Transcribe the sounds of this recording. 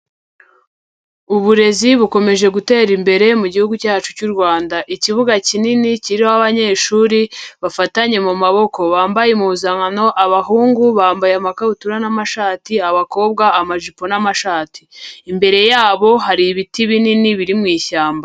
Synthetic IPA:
uβuɾe̞ziβuko̞me̞ʒe̞ɡute̞ːɾimbe̞ɾe̞muɟihuɡucaːt͡ʃu̥cuɾɡwaːndaʔiciβuɡacininiciɾiohaβaɲe̞ːʃuːɾiβafataɲe̞mumaβo̞ko̞βaːmbajemuβuzaŋano̞ʔaβaɦuːŋɡuβaːmbajamakautuɾanamaʃaːtiaβako̞ːb̚ɡaːmaʒipo̞namaʃaːtiːmbe̞ɾe̞jaːβo̞ɦaɾiβitiβininiβiɾimŋiːçaːmba

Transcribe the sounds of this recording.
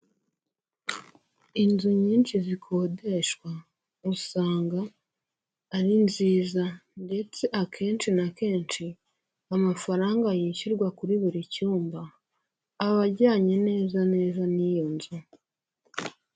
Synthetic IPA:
inzuɲiːnʃizikʰo̞ːdeʃkwa | usaːŋɡaː | ɾinziːzande̞t͡se̞ʔakʰe̞ːnt͡ʃinake̞ːnʃi | amafaɾaːŋɡajiʃuɾɡwakuɾiβiɾicuːmbaː | βaɾɟaːɲe̞ne̞ːzane̞ːzanijonzu

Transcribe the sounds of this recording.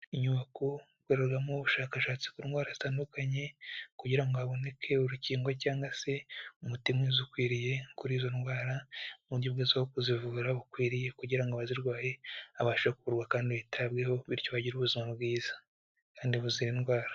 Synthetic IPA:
iɲuβako | ɡweːɾaɾɡamoβuʃaːkaʃaːt͡si̥kuɾinɡwaːɾazi̥taːndukaɲe̞kuɟiɾaŋɡoaβo̞ne̞kʰe̞uɾuciːŋɡwacaːŋɡase̞umutimwezukwiːɾije̞kuɾiːzo̞nɡwaːɾamuɾjobɡezahokuzivuːɾaβukwiːɾije̞kuɟiɾaŋɡoaβaziɾɡwaːje̞aβaʃoβɾakuβuɾɡwakaːndiβitʰabɡe̞ho̞βiɾcoβaɟiɾuβuzimabɡiːzḁ | kaːndiβuziɾinɡwaːɾḁ

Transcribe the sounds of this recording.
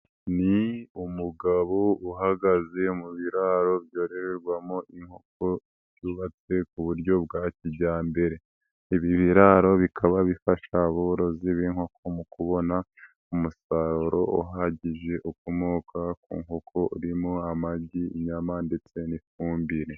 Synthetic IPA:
niumuɡaβouɦaɡaze̞muβiɾaɾo̞bjo̞ːɾe̞ɾeɾɡwamoʔiŋho̞k̚o | uβat͡se̞kuβuɾɟo̞b̚ɡaːciɟaːmbe̞ɾe̞ | iβiβiɾaɾo̞βikʰaβaβifaʃaβoɾo̞ziβiŋho̞kʰo̞mukuβo̞na | umusaɾoɾo̞uɦaɟiʒe̞ʔukomoːkʰakṵːŋho̞kʰo̞uɾimoamaɟiiɲamande̞t͡se̞nifuːmbiɾe

